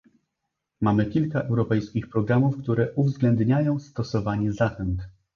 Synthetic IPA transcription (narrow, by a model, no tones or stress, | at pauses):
mamɘkʲilkaʔɛwɾɔpɛjskʲixpɾɔɡɾamufkt̪uɾɛʔuvzɡlɛnd̪ɲajɔ̃w̃st̪ɔsɔvaɲɛzaxɛnt̪